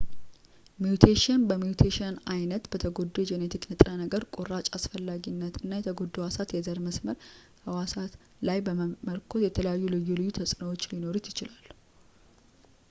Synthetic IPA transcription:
mijut̪ʰeʃənbəmjut̪ʰeʃənajnət̪bət̪ʰəɡo̞d̪ːud͡ʒenet̪ʰiknɨt̪ʼɾənəɡəɾkʼurat͡ʃʼasfəlːaɡinːət̪ɨnːajɛt̪ʰəɡo̞d̪ːowasat̪jɛzəɾməsməɾ | həwasat̪ | lajbəmməlkʰot̪jɛt̪ʰələjajːulɨjːulɨjːut̪ʰəsʼnəwot͡ʃːlino̞ɾut̪jɪt͡ʃɪlalː

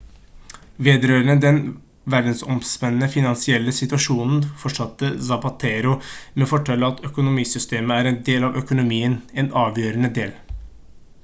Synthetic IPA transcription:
ʋeːd̪ɾøːɾəɳəd̪ɛn | ʋæɖn̩sɔmsmɛnːəfɪnɑnsɪɛlːəsɪt̪ʉɑʂuːnn̩fɔʂɑt̪ːəzɑpɑt̪ʰeːɾʊmɛfɔʈʰɛlːəɑt̪ʰœkʊnʊmiːsʏst̪eːməæɾɛnd̪eːlɑʋœkʊnʊmiːənɛnɑːʋjøːɾənəd̪eːl

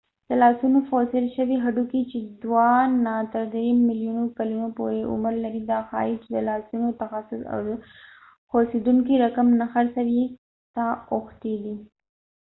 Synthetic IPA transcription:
d̪̥əlɑsunofosɪlʃəwiɦaɖukit͡ʃed̪wɑnat̪əɾd̪ɾemɪljunokalunopoɾeʊ̰mɾlaɾid̪ɑxɑ̰it͡ʃed̪əlɑsunot̪axasʊsa̰w | xosed̪uŋkiɾakamnaxaɾsaɾi | t̪aʊxt̪ed̪i

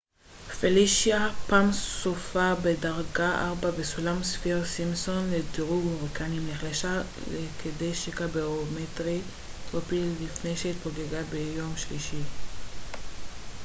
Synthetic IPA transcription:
feliʃjapaːmsofabedaʁɡaʔaʁbabesulamsfiʁsimso̞nlediʁuɡoʁikʰanimleχleʃa | lekʰede̞jʃekabeʁometʁi | ʁopilːifne̞jʃeit̪̚boɡeɡabejo̞mʃliʃi

